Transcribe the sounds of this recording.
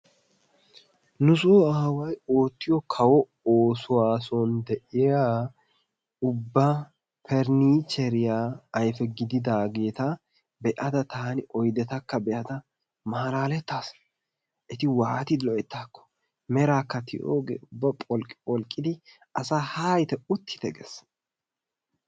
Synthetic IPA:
nʊsʊɐɐwɐjo̞ːt̪ːɪjɔkʰɐwɔ | oːsʊwaːsɔnd̪ɛʔɪjaː | ʊbːɐ | pʰɛɾniːt͡ʃɛɾɪjaːjfɛɡɪd̪ɪd̪aːɡe̞ːt̪ɐ | bɛʔɐd̪ɐt̪ʰaːnɪɔjd̪ɛt̪ɐkːɐbɛʔɐt̪ɐ | maːlaːlɛt̪ːaːs | ʔɛt̪ɪwaːt̪ɪd̪lɔʔɛt̪ːaːkːɔ̥ | mɛɾaːkːɐt̪ʰɪʔo̰ːɡḛːʊbːɐpʼɔlkʼɪpʼɔlkʼːɪd̪ɪ | ʔɐsaːhaːjt̪ɛʊt̪ːɪ̥t̪ɛɡɛ̰s

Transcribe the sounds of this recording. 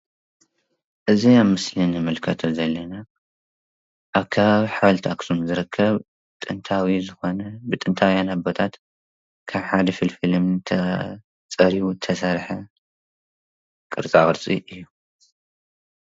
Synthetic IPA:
ʔɨziamɨslinɨmɨlkʰɐt̪ʰozɐlːɐna | ʔaβkʰaβaβiħaβlt̪ʰaksumzɨɾɨkʰːɐβ | t̪ʼɨnt̪ʰawizɨxo̞nɐbɨt̪ʼɨnt̪ʰawjanabo̞t̪ʰat̪ | kʰaβħad̪ɐfɨlfɨlɨmt̪ʰɐ | t͡sʼɐɾiwut̪ʰɐsɐɾħɐ | kʼɨɾt͡sʼakʼɨɾt͡sʼiʔɨjːu

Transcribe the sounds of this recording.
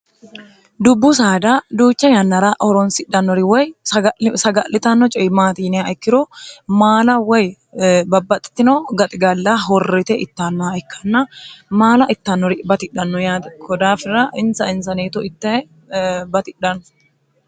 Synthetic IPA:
d̪ʊbːʊsaːd̪ad̪uːt͡ʃːɐjɐnːɐɾaʔɔɾɔnsɪᶑɐnːɔɾɪwɔjɐsɐɡɐʔlɪt̪anːɔt͡ʃʼɔmaːt̪iːnɛaɪkːɪɾɔmaːlɐwɔj | bɐbːɐt̪ʼɪ̥t̪ːɪnoːɡɐt̪ʼɪɡɐlːaːɦɔrːɛt̪ɛʔɪt̪ːaːnːɔaɪkʰːɐnːɐmaːlɐʔɪt̪ːɐnːɔɾɪbɐt̪ɪᶑɐnːɔjaːd̪ɛkʰɔd̪aːfɪrɐʔɪnsɐɪnsɐneːt̪ʊɪt̪ːɐɛ | bɐt̪ɪᶑɐnːʊ̥

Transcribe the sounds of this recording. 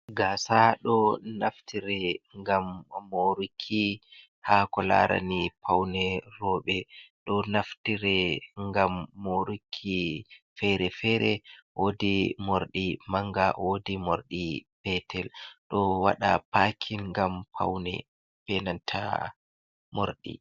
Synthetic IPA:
ɡasaɗɔnaftʰiɾɛŋɡamːoɾukʰːi | hakɔla̰ɾʔa̰nipʰawnɛɾɔːɓɛɗɔnaftiɾɛŋɡamːoɾukʰːi | fɛɾɛfɛɾɛwodimoɾɗimaŋɡawodimoɾɗipɛtʰɛlɗɔwa̰ɗapakʰinŋɡampʰa̰wnɛ̰ | b̥ɛnantʰa̰ | mo̰ɾɗḭ

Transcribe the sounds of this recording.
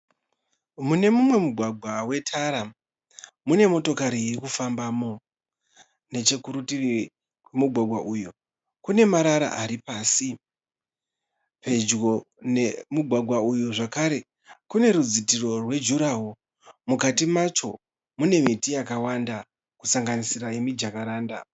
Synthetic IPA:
mune̞mumwe̞muɡʱwaɡʱwawe̞tʰaɾa | mune̞mo̞to̞kaɾiikufambaːmo̞ | ne̞t͡ʃe̞kuɾutiri | kwemuɡʱwaɡʱwaʔuju | kune̞maɾaɾa̰ʔaɾipaːsi | pe̞d͡ʒɡo̞ | ne̞muɡʱwaɡʱwaujuʐakaɾe̞ | kune̞ɾud͡zitiro̞rwe̞d͡ʒuɾaɦo | mukatimat͡ʃo̞̰ | mune̞mitijakawanda | kusaŋɡanisiɾajemid͡ʒakaɾaːnda̰

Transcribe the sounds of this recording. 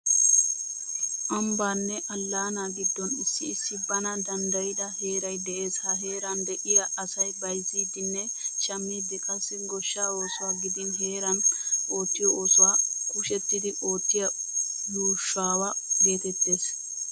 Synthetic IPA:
ʔɐmbaːnːɛʔɐlːaːnaːɡɪd̪ːɔnɪsːɪːsːɪbɐnɐd̪ɐnd̪ɐjɪd̪ɐhe̞ːɾɐjd̪ɛʔe̞ːshɐɦe̞ːɾɐnd̪ɛʔɪjɐʔɐsɐjbɐjziːd̪ɪnːɛ | t͡ʃɐmːiːd̪ɛkʼɐsːɪɡɔʃːaːoːsɔwaːɡɪd̪ɪnɦe̞ːɾɐnʔo̞ːt̪ːɪjɔʔoːsɔwaːkʊʃɛt̪ːɪd̪ɪʔo̞ːt̪ːɪjɐ | juːʃːaːwɐɡe̞ːt̪ɛt̪ːe̞ːs

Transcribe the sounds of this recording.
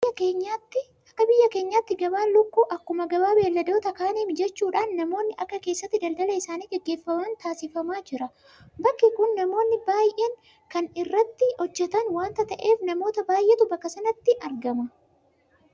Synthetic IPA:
ɐkeːɲːaːt̪ːɪ | ʔɐkːɐbɪjːɐke̞ːɲːaːt̪ːɪɡɐbaːnlʊkːuːʔɐkːʊmɐɡɐbaːbe̞ːlːɐd̪o̞ːt̪ɐkaːniːmd͡ʒɛt͡ʃːuːᶑaːnːɐmo̞ːnːɪʔɐkːɐke̞ːsːɐt̪ːɪd̪ɐld̪ɐlɐɪsaːniːɡɛɡːe̞ːfːɐmaːnt̪aːsɪfɐmaːd͡ʒɪɾɐ | bɐkːɪkʊnːɐmo̞ːnːɪbaːjʔeːŋ | kɐnɪrːɐt̪ːɪhɔd͡ʒːɛt̪ɐnwaːnt̪ɐt̪ɐʔe̞ːfnɐmo̞ːt̪ɐbaːjʔet̪ʊbɐkːɐsɐnɐt̪ːɪʔɐɾɡɐmɐ

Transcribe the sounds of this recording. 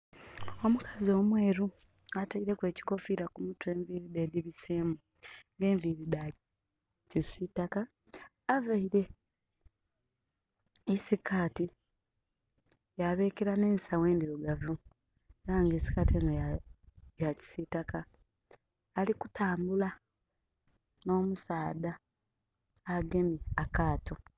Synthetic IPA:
o̞mukʰazio̞ːmweːɾu | ataiɾe̞kwe̞ːci̥ko̞fiɾakumutue̞ːɱviɾide̞ːdiβise̞ːmu | ŋɡe̞ːɱviɾida | cisitakaː | vaiɾe̞ | isikaːti | jaβe̞ːkeɾane̞ːnsawe̞ːndiɾoɡavu | eɾaŋɡeːsi̥kateːnojajaci̥sitaka | liku̥tʰaːmbula | no̞ːmusaːda | aɡe̞miakaːto

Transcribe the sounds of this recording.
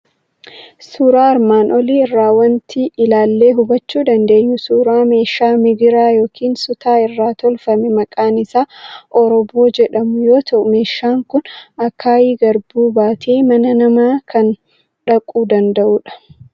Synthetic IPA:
suːɾaːɪɾmaːnʔɔliːɪrːaːwɐnt̪ʰiʔɪlaːlːe̞ːɦʊbɐt͡ʃːuːd̪ɐnd̪e̞ːɲːʊsuːɾaːme̞ːʃaːmɪɡɪɾaːjoːkʰiːnsʊt̪ʰaːɪrːaːt̪ɔlfɐmɛmɐkʼaːnɪsaːʔɔɾɔbo̞ːd͡ʒɛᶑɐmʊjo̞ːt̪ʰɐʔʊme̞ːʃːaːŋkʊnɐkʰːaːjiːɡɐɾbuːbaːt̪ʰeːmɐnɐnɐmaːkʰɐn | ᶑɐkʼːuːd̪ɐnd̪ɐʔuːᶑɐ̥

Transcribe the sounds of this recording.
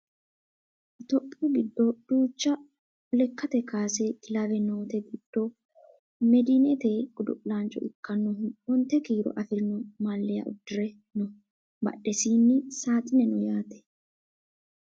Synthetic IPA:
t̪ɔpʼːuɡɪd̪ːɔd̪̥uːt͡ʃːɐ | ɔlɛkːɐt̪ɛkaːsɛk̪ɪlɐʋɛnoːt̪ɛɡɪd̪̥ːɔ | mɛd̪ɪnɛt̪eːɡʊd̪ʊ̰ʔlaːnt͡ʃʼɔ̰ʔɪkːɐnːɔhɔnt̪ːɛkiːɾɔ̰ʔɐfɪɾɪnɔmaːlːɪjɐ̰ʔʊ̰d̪ːɪɾɛ | nɔ | bɐ̰ɗːɛsiːnːɪsaːt̪ʼɪnɛnʊjaːt̪ɛ̥

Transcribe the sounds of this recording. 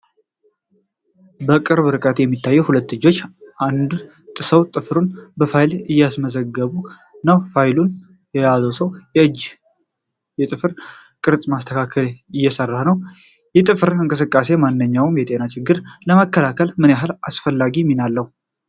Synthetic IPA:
bəkʼɨɾβɨɾɨkʼət̪jɛmːit̪ʰːajːɛwhulət̪ːɨd͡ʒːo̞t͡ʃːʔand̪ | t̪ʼɨsəwt̪ʼɨfɾunbəfajlɨjːasməzəɡːəβu | nawfajlun | jɛjazəwsəwjɛɨd͡ʒː | jɛt̪ʼɨfɨɾkʼɨɾt͡sʼmast̪ʰəkʰakʰəlɪjːɛsərːanəw | jɛt̪ʼɨfɨɾɨŋkʼɨs̬ɨkʼːase̞manːɨɲːawmjɛt̪ʼe̞nat͡ʃʰɪɡːɨɾləməkʰːəlakʰəlmɨnjaɦalasfəlːaɡimːinalːəhu

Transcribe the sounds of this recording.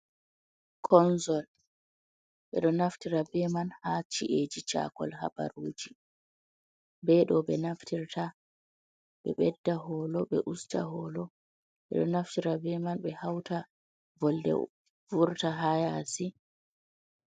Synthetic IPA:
kʰɔnzɔl | ɓɛ̰ɗɔnaftiɾabɛmanhat͡ʃiʔed͡ʒit͡ʃa̰kɔ̰lha̰ba̰ɾuːd͡ʒi | bɛɗɔbɛnaftʰiɾta | ɓɛɓɛdːaɦɔːlɔɓɛʔusta̰ɦɔːlɔ | ɓɛ̰ɗɔnaftiɾabɛmanɓɛhawta | vɔldɛ̰ | vuɾtaɦajasi

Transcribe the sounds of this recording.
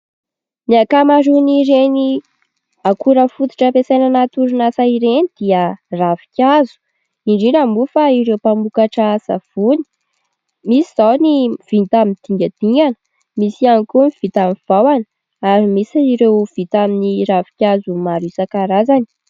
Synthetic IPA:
niakamaɾuniɾeni | akuɾəfut̪i̥ʈ͡ʂəpesajnanat̪uɾunasaiɾenid̪̥iəravi̥kʲazu̥ | iɳɖ͡ʐiɾambufaiɾewpamukaʈ͡ʂasa̰v̥uni̥ | misiz̥awniv̥int̪amind̪̥iŋɡʲad̪̥iŋɡanə̥ | misianikumiv̥it̪amiv̥awanə | aɾimisiɾewv̥it̪aminiravi̥kʲazumaɾisakaɾazani̥

